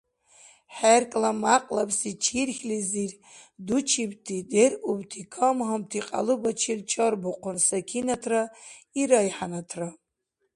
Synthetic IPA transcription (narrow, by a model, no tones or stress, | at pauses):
ħærkʼlamaqʼlapʰsit͡ʃʰirxʲlizir | dut͡ʃʰibtʰiderubtʰikʰamɦamtʰiqʼa̰lubat͡ʃʰirt͡ʃʰɔrbuqʷʰʊnsakʲʰinatʰraiɾajħanatʰra